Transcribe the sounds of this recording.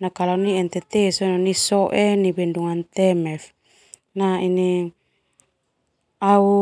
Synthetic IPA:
nakalaniɛnt̪ɛt̪ɛsononisɔʔenibɛnduŋant̪ɛmɛf | naini | au

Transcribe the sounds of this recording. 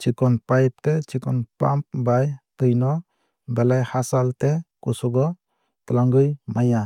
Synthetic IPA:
t͡ʃikɔnpajp̚tet͡ʃikɔnpamp̚bajtɯjnɔ | belajhasaltekusɔɡɔ | t̪laŋɡɯjmaja

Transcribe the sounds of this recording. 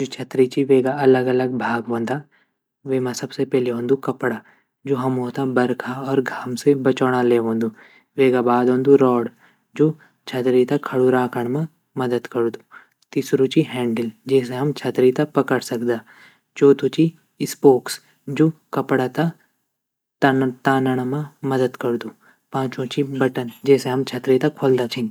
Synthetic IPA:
d͡ʒoːt͡ʃʰɐt̪ɾit͡ʃiʋeːɡaɐləɡɐləɡ̚bʱaːɡɦõːnd̪a | ʋeːmãsɐbsepɛɦleɦõːnd̪ukɐpɽa | d͡ʒoːɦɐmɦoːt̪abɐɾkʰaɔːɾɡʱamsebɐt͡ʃɔːɽ̃aleːɦõːnd̪u | ʋeːɡabaːd̪ɦõːnd̪uɾɔːɽ | d͡ʒoː | t͡ʃʰɐt̪ɾit̪akʰɐɽuɾãːkʰəɳ̃mẽ | mɐd̪əd̪kɐɾd̪u | t̪iːsɾũt͡ʃiɦɛ̃ːɳɖɪld͡ʒɛːseɦɐmt͡ʃʰɐt̪ɾit̪apɐkəɽsɐkd̪aː | t͡ʃoːt̪ut͡ʃi | ɪspoːks | d͡ʒoːkɐpɽat̪a | t̪aːnəɽ̃mãmɐd̪əd̪kɐɾd̪uː | pãːt͡ʃõt͡ʃibɐʈənd͡ʒɛːseɦɐmt͡ʃʰɐt̪ɾit̪akʰːold̪at͡ʃʰɪ̃n

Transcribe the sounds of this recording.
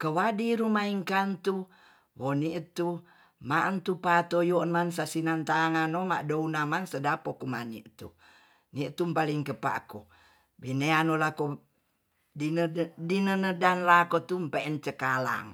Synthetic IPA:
kəwadiɾumaiŋkant̪u | woniʔət̪u | maʔənt̪upat̪ojonmansasinant̪aŋanoma̰ʔdounamansədapokuma̰nḭʔt̪ṵ | niʔt̪umpaliŋkəpa̰ʔko | bineanolako | iədinənədanlakot̪umpeɛnt͡ʃəkala̰ŋ

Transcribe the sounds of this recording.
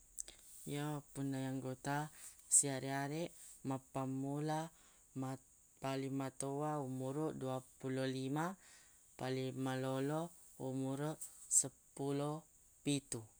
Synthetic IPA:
japunːajaŋɡot̪asiaɾiaɾɛʔmapamula | palimat̪owaumuɾuʔduapulolima | palimalolo | umuɾuʔsəpulo | pit̪u

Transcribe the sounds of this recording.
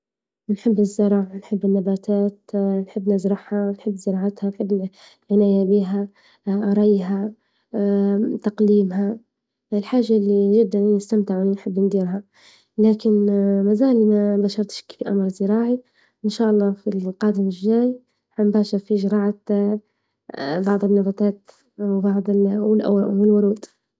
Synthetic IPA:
nħɪbːɪzːɪɾˤɑːʕanħɪbːɪnːabaːt̪aːt̪nħɪbːnɪzɾˤɑħhanħɪbːzɪɾˤɑːʕat̪hanħɪbːɪ | lʕɪnaːjabiːɦa | ɾˤɑjːɦa | t̪aqliːmɦa | ɪlħaːʒːalːiʒɪd̪ːannɪst̪amt̪ɪʕwɪlinħɪbːnd̪iːɾɦa | laːkɪnmazaːlimabaːʃɑɾˤt̪ʃkfiʔamɾˤzɪɾɑːʕi | ʔɪnʃaːʔɑlˤːɑːfilqɑːd̪ɪmɪʒːaːj | hambaːʃɪɾˤfiʒɑɾˤɑːʕat̪ | bɑʕd̪ˤɪnːɑðˤɑt̪aːt̪ | wbɑʕd̪ˤɪwɪlʔa̰wɪlwʊɾˤuːd̪

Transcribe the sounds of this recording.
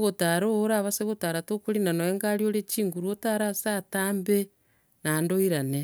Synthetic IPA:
ɣotaɾoɾaβaseɣotaɾatokoɾinanoeŋɡaɾjoɾet͡ʃiːŋɡuɾwotaɾasataːmbe | nandoiɾane

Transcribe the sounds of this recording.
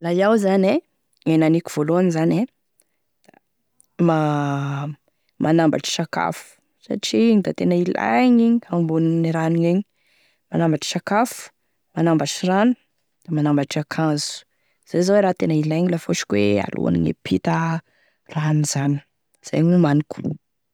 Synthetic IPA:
lajawzane | enaniku̥v̥oloanizane | d̪̥a | ma | mʔanambaʈ͡ʂi̥saka̰fu̥ | sa̰ʈ͡ʂiɲid̪at̪enailʔa̰jɲiɲiambuniniɾaniɲeɲ | manambaʈ͡ʂi̥sakafu̥ | manambaʈ͡ʂiranu̥ | d̪̥amanambaʈ͡ʂakʰãzu̥ | z̥azaweɾaːt̪enailajɲilafoʃi̥kʲwḛa̰lṵa̰nḭŋḛpʰit̪ə | ranizani̥ | z̥a̰jɲumanikʰu

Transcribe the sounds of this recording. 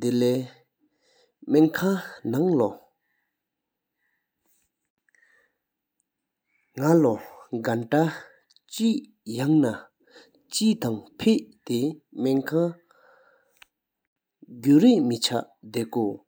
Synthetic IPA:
d̪elɛː | meŋkʰanaŋlo | ŋaloɡanʈ͡ʂa | t͡ɕiʔ | jaŋna | t͡ɕiːt̪aŋpʰeʔt̪emeŋkʰa | ɡuːɹiʔmit͡ɕʰaʔd̪eʔko

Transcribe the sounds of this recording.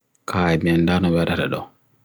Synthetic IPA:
kʰaɛbɛndanɔwɛɾaɾɛ̰ɗɔ̰

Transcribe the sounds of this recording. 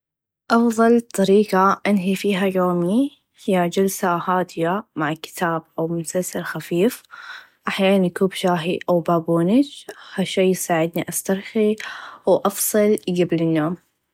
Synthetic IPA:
ʔɑfðˤɑlt̪ˤɑɾiːqaʔanɦifiːɦajoːmi | hɪjːad͡ʒalsahaːd̪ɪjamaʕkːɪ̥t̪ʰaːb̚ʔawmʊsalsaɾxafiːf | ʔaħjaːnanʔkuːbʃaːɦiʔawbaːbuːnɪd͡ʒhaʃːaːjsaːʕɪd̪niʔast̪ɑɾˤxiwʔɑfsˤɨlɡablɪnːoːm

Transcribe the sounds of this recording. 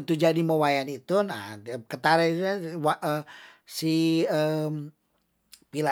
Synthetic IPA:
t̪ud͡ʒadiməwajanit̪una̰kət̪aɾait̪uawaʔəsiəm | pila

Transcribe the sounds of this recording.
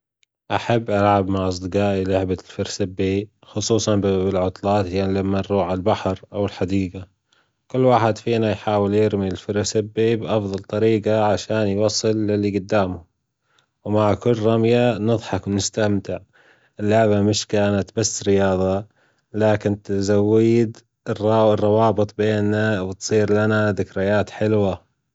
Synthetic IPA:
ʔaħabːʔɑɾʕabmaʕʔɑs̬ˤd̪ɨqɑːʔilʊʕbalfɪɾsabːi | xʊsˤuːsˤɑnbɪlʕʊt̪ˤlɑːt̪hjanilamːanrˤuːʕalbaħɾʔawɪlħad̪iːɡa | kʊlːwaːħɪd̪fiːnajħaːwɪljɪɾmiɪlfɪɾsɪbːibʔɑfðˤɑlt̪ˤɑɾiːɡaʕaʃaːnjwɑsˤːɨlːɪlːiɡʊd̪ːaːmʊ | wmaʕkʊlɾɑmjanɨðˤħɑkwnɪst̪amt̪ɪʕ | ʔɪlːʊʕbamɪʃkaːnat̪basːɾɪjɑːðˤɑ | laːkɪnt̪ɪzawːiːd̪ | rɑrˤːɑwɑːbɨt̪ˤbeːnːawɪt̪sˤiːɾlanaðɪkɾɪjaːt̪ħɪlwa

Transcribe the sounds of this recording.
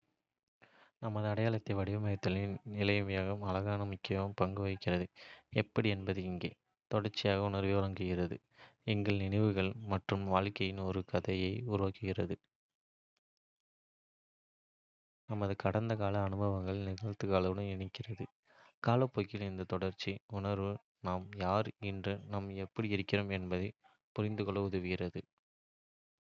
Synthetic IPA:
nɐmɐðɯɐɽɐjaːɭɐt̪ːɐɪʋɐɽɪʋɐmɐjɐt̪ːɪlɪnnɪlɐjɐmɐjaːɣɐmɐlɐɣaːnɐmʊkːɪjɐɐmpɐŋɡɯʋɐɪkːɪrɐðɯɛpːɐɽiɛnbɐðɯɪŋɡḛː | t̪ɔɽɐɾt͡ʃːɪjaːɣɐʊnɐɾʋɪʋɐɾɐŋɡɪɣɪrɐðɯ | ɛŋɡɐɭnɪɳɪʋɯɣɐɭmɐʈrɯmʋaːɻkɐjɪnɔɾɯkɐðɐjɐɪʊɾɯʋaːkːɯɣɪrɐðɯ | nɐmɐðɯkɐɽɐnd̪ɐkaːlɐːɳɯbɐʋɐŋɡɐɭnɪɣɐɻt̪ːɯkaːlɐʋɯɽɯmɪɳɪkːɪrɐðɯ | kaːlɐpːoːjkɪlɪnd̪ɐt̪ɔɽɐɾt͡ʃːiʊɳɐɾʋɯ | naːmjaːɾɪndrɯnɐmɛpːɐɽiɪɾɯkːɪroːmɛnbɐðɐɪ | pʊɾɪnd̪ɯkɔɭɐʋɐðɯʋɪɣɪrɐðɯ

